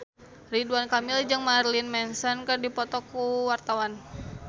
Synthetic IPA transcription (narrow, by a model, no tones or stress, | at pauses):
riduankamɪld͡ʒaŋmarlinmɛnsɔnkərdipɔt̪ɔkuwart̪awan